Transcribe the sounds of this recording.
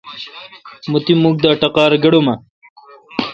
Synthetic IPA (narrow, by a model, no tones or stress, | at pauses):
mut̪imuk̚d̪aːʈɐqɑːɾɡɐɽomɐ